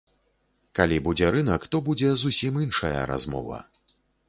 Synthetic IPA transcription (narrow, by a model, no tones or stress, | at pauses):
kalʲibud͡zʲɛɾɨnɐkt̪ɔbud͡zʲɛzusʲiminʂɐjɐ̰ɾa̰zmɔ̰vɐ̰